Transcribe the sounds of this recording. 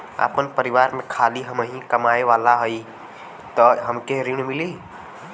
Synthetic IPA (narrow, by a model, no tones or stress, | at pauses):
a̰ːpənpəɾiʋaːɾmẽkʰaliɦəmɦĩkəmaeʋalaɦəi | t̪ɔɦəmkeɾiɽ̃mili